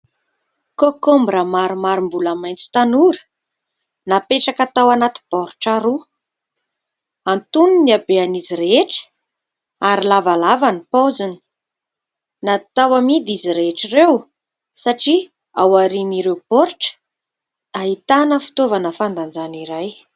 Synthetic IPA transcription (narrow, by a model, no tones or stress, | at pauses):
kokombɾamaɾimaɾimbulamajnt͡su̥t̪anuɾə̥ | napeʈ͡ʂakat̪awanat̪i̥b̥ɔɾʈ͡ʂaɾu | ant̪uniniabeaniziɾeeʈ͡ʂə̥ | aɾilavalavanipozini̥ | nat̪awamid̪iziɾeeʈ͡ʂirew | saʈ͡ʂi | awaɾiniɾewpoɾʈ͡ʂə̥ | aɦit̪anəfi̥t̪ovanəfand̪and͡zaniɾaj